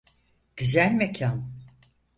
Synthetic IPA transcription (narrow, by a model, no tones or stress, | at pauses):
ɟ̥yzælʲmecʰan